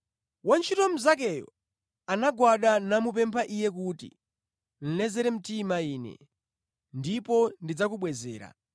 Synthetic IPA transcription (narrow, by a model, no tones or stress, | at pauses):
want͡ʃʰitɔm̩zak̬ɛjɔ̰ | anaɡwaɗanamupɛmpʰaʔijɛk̬utḭ | n̩lɛzɛɾɛm̩timaiːnɛ̰ | ndipɔndid͡zakuɓwɛzɛːɾa̰